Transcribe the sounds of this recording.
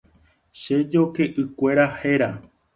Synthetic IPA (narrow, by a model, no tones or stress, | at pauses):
ʃed͡ʒo̞ke̞ʔɨkʷe̞ɾaheɾa